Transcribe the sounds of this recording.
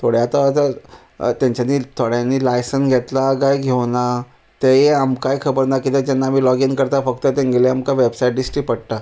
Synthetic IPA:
t̪ʰoɽjaat̪at̪a | t̪jaɲt͡ɕanːiːt̪ʰoɽjanːiːlajsənsɡʱet̪laɡajɡʱewna | t̪ejeamkajkʰəbəɾnakit̪ed͡ʑɛnːaːmiːlɔɡinkəɾt̪afəkt̪ət̪ẽŋɡʱeleamkaʋebsaiʈ̚ɖisʈiːpəɽʈ̪a

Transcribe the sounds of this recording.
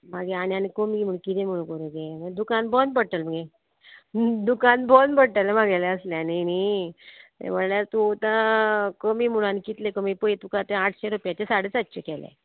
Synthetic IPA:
maɡeanianikəmim̤uɽkit̪ʰem̤uɭ̃ũkoɾed͡ʑeməd̪ukanbɔnpəɽʈəlm̤əɡe | d̪ukanbɔnpəɽʈəlemaɡaleəsleanini | t̪ḛm̤əlaɾt̪ut̪ãkəmimuɽ̃anikit̪lekəmipəet̪ukat̪eaʈʰɕeɾupjat͡ɕesaɽet͡sət̪ːɕekɛlḛ

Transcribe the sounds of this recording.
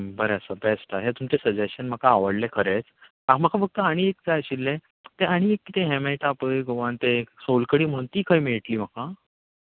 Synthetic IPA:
bəɾeəsəbɛsʈaɦet̪umt͡ɕesəd͡ʑeɕənm̤əkaːʋəɽlekʰəɾet͡s | am̤əkafəɡ̚t̪əaɽ̃iek̚d͡zajɕilːẽ | t̪eaɽ̃iekːit̪ẽɦemeʈapəjɡoʋant̪esolkəɽiːm̤əɽũnt̪iːkʰajmiɭʈliːm̤əka

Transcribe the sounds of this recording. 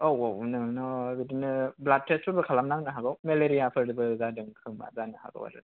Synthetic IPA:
owɔwnɯnɔbidinɯblat̚ʰːɾesubɯkʰalamnaŋnɯɦaɡawmeleɾijapʰɯɾɾɯbɯzadɯŋkʰɯŋma̰zanɯha̰ɡa̰wa̰dɯ̰

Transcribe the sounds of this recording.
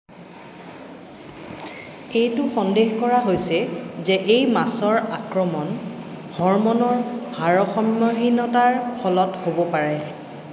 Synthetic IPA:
ejtʊxɔndexkɔɹaɦojsɛzɛʔejmasɔɹakɹɔmɔnhɔɹmɔnɔɹbʱaɹɔxɔmːɔɦinɔtaɹxʰɔlɔthobɔpaɹɛ

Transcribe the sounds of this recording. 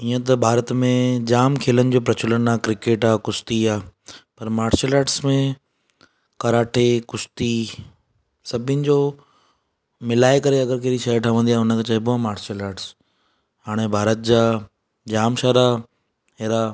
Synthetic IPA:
iːə̃t̪ɐbʱaːɾət̪mẽd͡ʑaːmkʰeːlənɪ̆d͡ʑoːpɾɐt͡ɕʊlənaːkɾɪkeːʈaːkʊst̪iaːpɐɾmaːɾʃəlaːʈsmẽ | kɐɾaːʈʰekʊst̪i | sɐbʱɪnɪ̆d͡ʑoː | mɪlaːekɐɾeɐɡəɾkeːɾiʃɐʈʰəʋə̃nd̪iaːɦʊnə̆kʰet͡ɕɐɦbʊamaːɾʃəlaːʈs | ɦaːɽ̃ebʱaːɾət̪̚d͡ʑaː | d͡ʑaːmʃaːɾa | ɦeːɾa

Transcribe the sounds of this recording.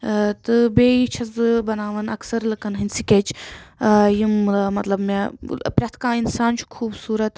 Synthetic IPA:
t̪ɨbeːit͡ʃʰɐzbɐnaːʋɐnɐksɐɾlɨkɐnɦɨnʲsikʲet͡ʃ | jimmɐt̪lɐbmepɾʲɐt̪ʰkãːinsaːnt͡ʃʰu̥kʰuːbsuːɾɐt̪

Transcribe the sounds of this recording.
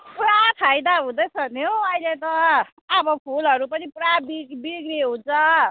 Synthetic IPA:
puɾat̪ʰajd̪aɦũd̪ʌjt͡sʰʌnjoʌjlet̪ʌː | bʌpʰulʌɾupʌniprabibiɡɾeɦũnt͡sʰʌ

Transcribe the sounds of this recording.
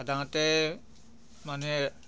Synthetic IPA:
ad̪ãt̪ɛ | manɛ

